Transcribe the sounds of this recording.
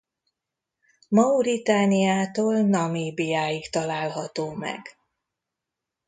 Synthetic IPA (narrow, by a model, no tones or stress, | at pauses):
mɒuɾit̪aːnijaːt̪oːlnɒmeːbijaːjikt̪ɒlaːlɦɒt̪oːmɛ̰ɡ